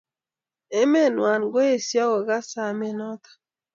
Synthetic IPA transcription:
e˦me˦nwa˨nɡo˦e˨sjɔ˦ɡɔ˨ɡa˦sa˨me˦nɔ˦t̪ɔ̥˨

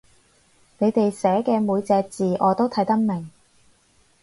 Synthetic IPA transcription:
ne˨˧jt̪e˨jsɛː˨˥kɛː˧muː˨˧jt͡sɛː˧k̚t͡siː˨ʔɔː˨˧t̪o˥wt̪ʰɐ˨˥jt̪ɐ˥k̚mɪ˨˩ŋ

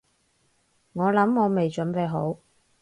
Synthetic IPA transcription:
ŋɔː˨˧lɐ˨˥mŋɔː˨˧me˨jt͡ʃɵ˨˥npe˨˧ɦo˨˥w

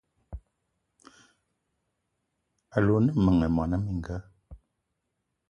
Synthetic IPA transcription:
a˨lo˨nə˦mə˨ŋə˨mɔ˨na˦mi˨ŋ˨ɡə˦

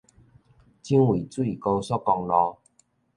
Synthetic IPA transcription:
t͡ɕi˦ŋwi˨˩t͡su˦i˨ko˧sɔ˦kːɔ˧ŋlɔ˧

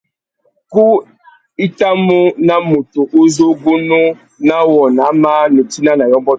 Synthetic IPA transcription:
ku˦ | i˦ta˦mu˦na˦mu˨tu˨ʔo˦zo˦ɡu˦nu˦ | na˦wɔ˨na˨˦ma˦ne˨ti˦na˦na˨jɔ˦mbɔ˦

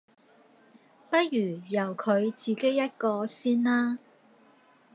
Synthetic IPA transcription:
pɐ˥t̚jyː˨˩jɐ˨˩wkʰɵ˨˧ɥt͡siː˨˧ke˥jɐ˥t̚kɔː˧siː˥nlaː˥

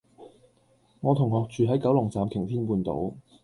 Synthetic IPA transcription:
ŋɔː˨˧t̪ʰʊ˨˩ŋɦɔː˨k̚t͡ʃyː˨ɦɐ˨˥jkɐ˨˥wlʊ˨˩ŋt͡saː˨mk̪ʰɪ˨˩ŋt̪ʰiː˥npuː˧nt̪o̰˨˥w

